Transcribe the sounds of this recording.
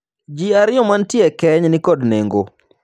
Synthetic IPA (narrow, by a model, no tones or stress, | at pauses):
d͡ʒiaɾɪjɔmantjɛkɛɲnɪkɔdneŋɡo